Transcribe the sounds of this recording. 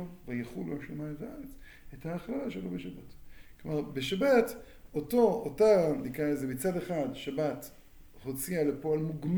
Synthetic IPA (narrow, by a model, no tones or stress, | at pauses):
ovajeχuloʃlemaetaaʁet͡s | ethaːχlalaʃelobeʃabatklomaʁbeʃabat | otootanikʁaezemit͡sadeχad̪ʃabat | ho̞t͡sialepoalmuɡm